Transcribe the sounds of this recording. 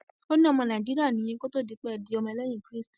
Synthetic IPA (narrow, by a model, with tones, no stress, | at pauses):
o˦nĩ˦ɔ˦˧˨mɔ̃˧˨nã˨d͡ʒi˦ɾi˦a˦˨nĩ˨˧˦ĩ˧˦ko˦to˦˨di˨˧˦k͡pɛ˦˧˨di˦ɔ˧mɔ̃˧lɛ˦j̃ĩ˦˨kɾi˦sti˨